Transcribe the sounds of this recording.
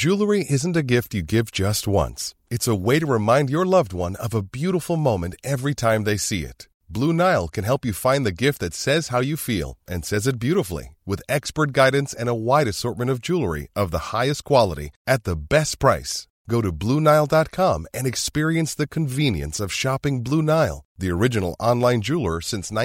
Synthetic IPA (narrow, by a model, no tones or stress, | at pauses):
d͡ʒ̥ʉlˠə˞iʔɪzn̩tɨɡɪft͡ʃɨɡɪvd͡ʒʌst̚wʌ̰̃ns | ɨtsəweɪɾɨɹɨmãɪ̃ndjə˞lʌvd̚wʌ̃nʌvəbjʉɾəfl̩ˠmõʊ̃mɨ̃ntɛvɹitʰãɪ̃mðeɪsiɪ̰t̚ | b̥lunaɪl̩ˠkʰɨ̃nɦɛlˠpjɨfãɪ̃nðɨɡɪft̪̚ðɨtsɛz̥haʊjɨfḭlˠʔɨ̃nsɛzɨt̚b̥jʉɾəfl̩ˠḭwɨðɛkspə˞t̚ɡ̥aɪdⁿn̩sɨ̃ñəwaɪɾɨsɔɹt̚mɨ̃ñʌvd͡ʒulˠə˞ḭʔʌvðəhaɪɨskʰw̥ɑlˠəɾḭɨt̪̚ðəbɛst̚pʰɹ̥aɪs | ɡ̥oʊɾɨblunaɪlˠdɑt̚kʰɑ̃mɨ̃nɨkspɪɹiɨ̃nsðɨkʰɨ̃ɱvĩnjɨ̰̃nsʌv̥ʃɑpɪ̃ŋblunaɪlˠðiə˞ɪd͡ʒɨnl̩ˠɑ̃nlãɪ̃nd͡ʒʉlˠə̰˞sɪ̃nsnã